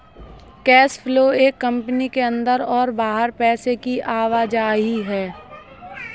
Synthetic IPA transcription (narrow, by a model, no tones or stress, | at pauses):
kɛːspʰloːeːkːɐ̃mpnikeɐ̃nd̪əɾɔːɾbaːɦəɾpɛːsekiʔaːʋaːd͡ʒaːɦiɦɛː